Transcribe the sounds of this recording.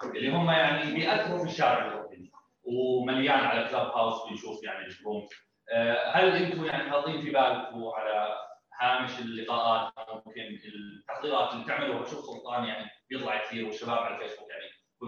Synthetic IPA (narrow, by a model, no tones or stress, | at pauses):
lːiɦʊmːajaʕnibɪjʔat̪ːɾɪɾfiʃːaːʕɪɾʊkɪn | wmaljaːnʕalaklabhawsbɪnʃuːfjaʕnibɪʃum | halʔɪnt̪ʊjaʕnit̪ħɑðˤːiːnfibaːlt̪uʕalahaːmɪʃɪlːɨqɑːʔaːt̪mkɪnɪlt̪ːaxt̪iːɾɑːt̪ɪlːit̪ɪʕmaluhːaʃʊxsˤʊlt̪ˤɑːnjaʕnibjɨt̪ˤlɑʕkθiːɾwɪʃːabaːbʕalalfeːsbuːkjaʕni